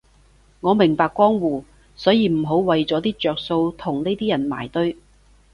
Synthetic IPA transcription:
ŋɔː˨˧mɪ˨˩ŋpaː˧kʷːwɔː˥ŋwuː˨˩ | sɔː˨˥jiː˨˧m̩˨˩ɦo˨˥wwɐ˨jt͡sɔː˨˥t̪iː˥t͡ʃœː˨k̚so˧wt̪ʰʊ˨˩ŋne˥jt̪iː˥jɐ˨˩nma̰ː˨˩jt̪ɵ˥ɥ

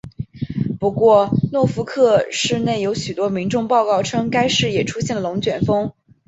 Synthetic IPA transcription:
pu˧˥kwɔ˥˧nwɔ˥˩fu˧˥kʰɤ˥˧ʂɻ̩˥˧ne˥˩ɪjo˧˥ʊɕy˨˩t̪wɔ˥mi˧˥nʈ͡ʂʊ˥˧ŋpɑ˥˧ʊkɑ˥˩ʊʈ͡ʂʰɤ˥ŋka˥ɪʂɻ̩˥˩jɛ˨˩ʈ͡ʂʰu˥ɕjɛ˥˩nlə˩lʊ˧˥ŋt͡ɕɥɛ˨˩nfɤ˥ŋ

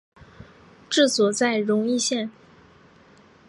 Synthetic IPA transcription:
ʈ͡ʂɻ̩˥˩t͡swɔ˨˩t͡sa˥˩ɪɻʊ˧˥ŋi˥˧ɕjɛ˥˩n

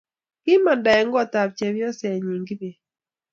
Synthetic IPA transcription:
kɪ˦ma˨nda˨ɛ˨ŋɡɔ˦ta˨p̚t͡ʃe˨βjɔ˦sɛ˨ɲi˨ŋɡi˦be˨

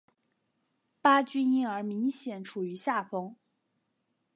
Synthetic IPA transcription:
pa˥t͡ɕy˥ni˥˩ŋə˞˧˥mi˧˥ŋɕjɛ˨˩˦nʈ͡ʂʰu˨˩y˧˥ɕja˥˩fɤ˥ŋ

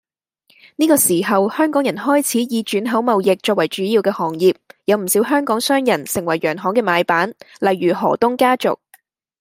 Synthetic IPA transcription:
niː˥kɔː˧siː˨˩ɦɐ˨whœː˥ŋkɔː˨˥ŋjɐ˨˩nhɔː˥jt͡sʰiː˨˥jiː˨˧t͡ʃyː˨˥nɦɐ˨˥wmɐ˨wjɪ˨k̚t͡ʃɔː˧k̚wɐ˨˩jt͡ʃyː˨˥jiː˧wkɛː˧hɔː˨˩ŋjiː˨p̚jɐ˨˧wm̩˨˩siː˨˥wɦœː˥ŋkɔː˨˥ŋsœː˥ŋjɐ˨˩nsɪ˨˩ŋwɐ˨˩jːœː˨˩ŋɦɔː˨˥ŋkɛː˧maː˨˧jpaː˨˥n | lɐ˨˧jɥyː˨˩ɦɔ̰ː˨˩t̪ʊ˥ŋkaː˥t͡sʊ̰˨k̚

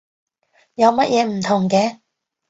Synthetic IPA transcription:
jɐ˨˧wmɐ˥t̚jʔɛː˨˧m̩˨˩t̪ʰʊ˨˩ŋkɛː˧

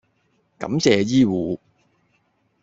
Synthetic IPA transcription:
kɐ̰˨˥mt͡sɛː˨˧jiː˥wuː˨˦

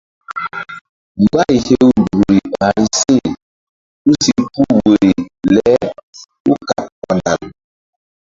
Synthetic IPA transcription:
m̩˨ba˦i˨he˦u˦du˨ɾi˨a˨ɾi˨si˦ | u˦si˦ku˦we˨ɾi˨lɛ˨˦ | u˦ka˨p̚kɔ˨na̰˨m

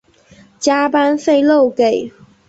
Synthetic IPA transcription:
t͡ɕja˥pa˥nfe˥˧ɪlo˥˨ʊke˨˩˦ɪ

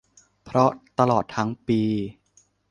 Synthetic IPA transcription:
pʰɾɔ˦˥t̪a˧lɔː˨˩t̪ʰːa˦˥ŋpiː˧

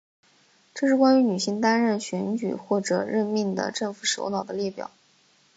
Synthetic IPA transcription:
ʈ͡ʂɤ˥˧ʂɻ̩˥˩kwa˥ny˧˥ny˨˩ɕi˥˧ŋt̪a˥nɻə˥˩nɕɥɛ˧˥nt͡ɕy̰˨˩xwɔ˥˩ʈ͡ʂɤ̰˨˩ɻə˥˧nmi˥˩ŋd̪ə̰˩ʈ͡ʂɤ˥˩ŋfu˨˩ʂo̰˧˥nɑ˨˩ʊd̪ə˦li˥˩pjɑ̰˨˩˦ʊ

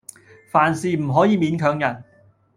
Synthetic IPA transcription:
faː˨˩nsiː˨m̩˨˩ɦɔː˨˥jiː˨˧miː˨˥nkʰœː˨˥ŋjɐ˨˩n

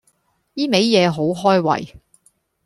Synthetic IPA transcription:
jiː˥me˨˥jjɛː˨˧ɦo˨˥wɦɔː˥jwɐ̰˨˩j

